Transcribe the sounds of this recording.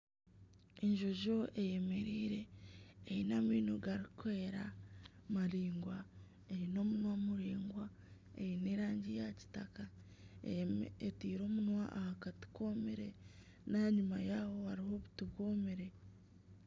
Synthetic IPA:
eɲʒo̞ʒo̞ʔeje̞me̞ɾiːɾe̞ː | inamiːnoɡaɾikweeɾamaɾiːŋɡwa | eɾino̞ːmunwamuɾiːŋɡwa | eineɾaːɲɟijaci̥taka | etiːɾo̞ːmunwaʔahakati̥komiɾe̞ | naɲumajawo̞haɾiho̞βutuβwomeɾe̞

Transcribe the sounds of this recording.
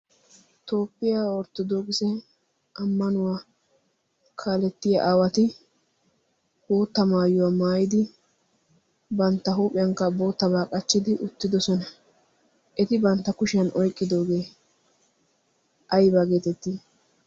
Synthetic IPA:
t̪o̞ːpːɪjaːɔɾt̪ːɔd̪oːkʼɪsɛ | ʔɐmːɐnʊwaː | kʰaːlɛt̪ːɪjɐ̰ʔaːwɐt̪ɪ | boːt̪ːɐmaːjʊwaːmaːjɪd̪ɪ | bɐnt̪ːɐɦuːpʼɪjɐŋkːɐbo̞ːt̪ːɐbaːkʼɐt͡ʃːɪd̪ɪʔʊt̪ːɪd̪ɔsɔnɐ | ʔɛt̪ɪbɐnt̪ːɐkʊʃɪjɐnʔɔjkʼːɪd̪oːɡe̞ː | ʔɐjbaːɡeːt̪ɛt̪ːi

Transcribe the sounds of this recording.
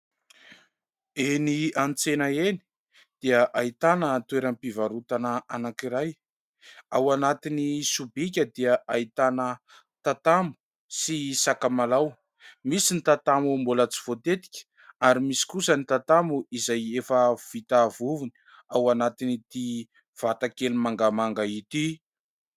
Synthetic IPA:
eniant͡senaeni̥ | d̪̥iəʔait̪anət̪uweɾampivaɾut̪anəanakiɾaj | awanat̪inisubikʲəd̪iaʔait̪anə | t̪at̪amu̥ | sisakamalaw | misinit̪at̪amumbulət͡si̥v̥ot̪et̪i̥kʲə̥ | aɾimisi̥kusənit̪at̪amuizajefəv̥it̪avuvuni̥ | awanat̪init̪i | v̥at̪akelimaŋɡamaŋɡait̪i

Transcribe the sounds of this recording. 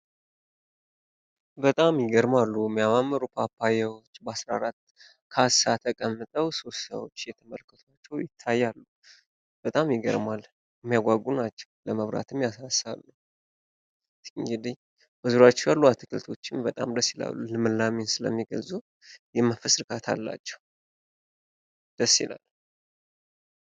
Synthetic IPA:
bət̪ʼamjɪɡəɾmalːumːijamamːəɾupʰapʰːajɛwo̞t͡ʃːbəasɾa̰aɾat̪ː | kʰasat̪ʰəkʼəmːɨt̪ʼəwso̞st̪sə̰wo̰t͡ʃːjɛt̪ʰəməlkʰət̪ʰwat͡ʃːɛwjɪt̪ʰːajːalːu | b̥ət̪ʼamjɪɡə̰ɾmal | ɛmːijaɡʷaɡunat͡ʃːɛwləməβɾa̰t̪ʰɨmjasasːa̰lːu | t̪ːid̪ɨɲ | bəzuɾat͡ʃːɛwjalːuat̪ʰɨkʰɨlt̪ʰo̞t͡ʃːɪnbət̪ʼa̰md̪əsːila̰lːulɨmɨlːaminsɨlə̰mːiɡəlzu | jɛməfəsɾɨkʰʼat̪ʰa̰lːa̰t͡ʃːɛ̥w | d̪̥əsːḭla̰l

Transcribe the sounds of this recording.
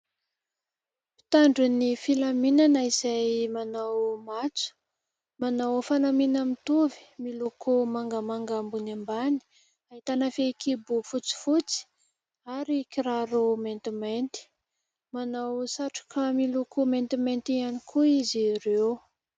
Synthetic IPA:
pi̥t̪aɳɖ͡ʐunifilaminanaizajmanawmat͡su̥ | manawfanaminamit̪uvi̥milokʰomaŋɡamaŋɡambunambani̥ | aɦit̪anafekʰibufut͡si̥fut͡si̥ | aɾikiɾaɾument̪iment̪i̥ | manawsaʈ͡ʂḁkamilokʰoment̪iment̪ianikʰuizirew

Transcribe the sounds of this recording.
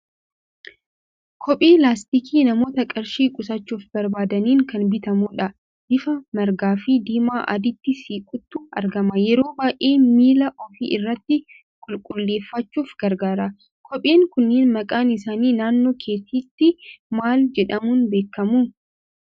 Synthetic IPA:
kʰɔpʼeːlaːst̪ikiːnɐmo̞ːt̪ɐkʼɐɾʃiːkʼʊsɐt͡ʃːuːfbɐɾbaːd̪ɐniːŋkɐnbɪt̪ɐmuːᶑɐ | dɪfɐmɐɾɡaːfiːd̪iːmaːʔɐ̰d̪ɪt̪ːɪsiːkʼʊt̪ːʊɐ̰ɾɡɐmɐjɛɾo̞ːbaːʔe̞ːmiːlɐʔɔfḭːʔɪrːɐt̪ːɪ | kʼʊlkʼʊlːe̞ːfːɐt͡ʃːuːfɡ̥ɐɾɡaːɾɐ | kʰɔpʼe̞ːŋkʊnːeːnmɐkʼaːnɪs̬aːniːnaːnːoːkʰe̞ːt̪ʰiːt̪ːɪmaːld͡ʒɛᶑɐmuːnbe̞ːkːɐmuː

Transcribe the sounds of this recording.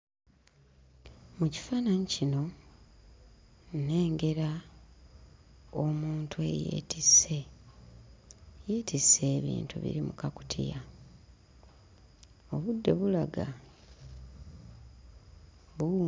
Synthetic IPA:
muci̥fananicino̞ | ne̞ːŋɡe̞ɾa | omuːntʰue̞̰jḛtise | jeːtise̞ːβḭːntṵβḭɾimukaku̥tʰḭja | o̞βudːe̞βulaɡa | βu

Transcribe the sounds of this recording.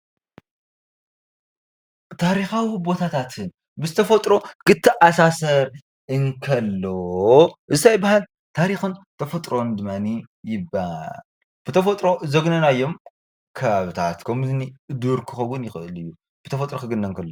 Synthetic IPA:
t̪ʰaɾixawibo̞t̪ʰat̪ʰat̪ʰɨn | bɨzɨt̪ʰɐfɐt̪ʼɾo̞kɨt̪ʰːɨʔasasɐɾ | ɨŋkʰɐlːoʔɨzɨt̪ajbahal | t̪ʰaɾixɨnt̪ʰɐfɐt̪ʼɾo̞nd̪ɨmːanijɪbal | b̥ɨt̪ʰɐfɐt̪ʼɾo̞zɐɡnɐnajːom | kʰɐβaβɨt̪ʰat̪kʰɐmɨzɨniɨd̪uɾkʰɨxɐwʊnjɪxɨɨlɨjːu | b̥ɨt̪ʰɐfɐt̪ʼɾokɨɡɨnːɐŋkʰɐlːo

